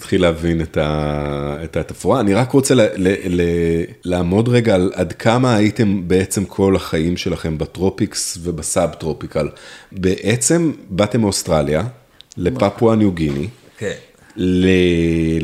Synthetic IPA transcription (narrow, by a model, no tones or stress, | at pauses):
t̪χileavineta | etatafuaːniʁakʁo̞t͡sellelelaaːmo̞dʁe̞ɡaːladkʰamaːjite̞mbe̞et͡se̞mkʰo̞laχaimʃe̞laχe̞mbatʁo̞piksve̞basabtʁo̞pikalbe̞ʔet͡se̞mbate̞mostʁalja | le̞papwanjuɡini | le